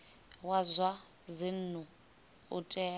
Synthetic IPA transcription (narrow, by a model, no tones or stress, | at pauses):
wazwa | zin̩n̤u | ʊ̰tʼɛː